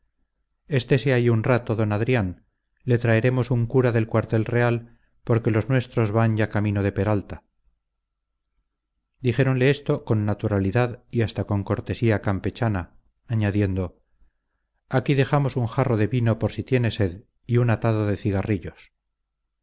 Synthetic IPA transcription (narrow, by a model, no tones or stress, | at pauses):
e̞st̪e̞seaiunrat̪o̞ðo̞naðɾjan | le̞t̪ɾaeɾe̞mo̞suŋkuɾaðe̞lkwaɾt̪e̞lre̞al | po̞ɾke̞lo̞znwe̞st̪ɾo̞zβaɲʝakamĩno̞ð̞e̞pe̞ɾalt̪a | d̪iχe̞ɾo̞nle̞est̪o̞ko̞nːat̪uɾaliðaðiast̪ako̞ŋko̞ɾt̪e̞siakampe̞t͡ʃanaː | ɲaðje̞nd̪o̞ | akiðe̞xamo̞suŋxaro̞ðe̞βinopo̞ɾsit̪je̞ne̞se̞ð | iunat̪aðo̞ðe̞θiɣariʎo̞s